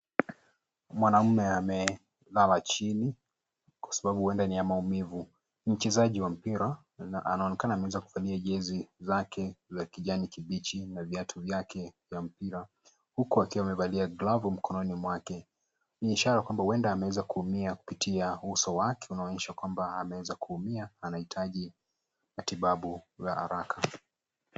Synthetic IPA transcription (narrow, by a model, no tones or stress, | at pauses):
mwanam̩mɛamɛ | lalat͡ʃini | kwḁsaɓaɓuwɛndaniamaumivu | m̩t͡ʃɛzaʄiwam̩piɾa | a̰naɔnɛkanaːmɛwɛzaku̥valiaʄɛzizakɛzakiʄanikiɓit͡ʃinavjatʰuvjakɛvjam̩piɾa | hukuakiwamɛvaliaɡlavum̩kɔnɔnimwakɛ | niːʃaɾakwambawɛndaːmɛwɛzakuhumiaku̥pitʰiausɔwakʰɛ̥unaɔɲɛʃakwambaːmɛwɛzakuhumiaːnahitʰaʄi | matiɓaɓuzaha̰ɾakʰa